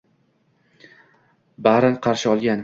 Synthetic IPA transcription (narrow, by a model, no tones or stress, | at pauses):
baɾɪnqʰɑɾʃɪɒlˠɡʲan